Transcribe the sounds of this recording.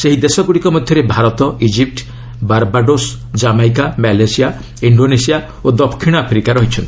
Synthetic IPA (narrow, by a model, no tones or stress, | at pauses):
seɦid̪esɔɡuɽikɔmɔd̪ʱjɔɾebʱaɾɔt̪ɔʔid͡ʒip̚ʈ | baɾbaɖos | d͡ʒamajk̬amalesija | iɳɖonesija | od̪ɔpkʰːiɽ̃ɔapʰɾikaɾɔɦit͡ʃʰɔnt̪i̥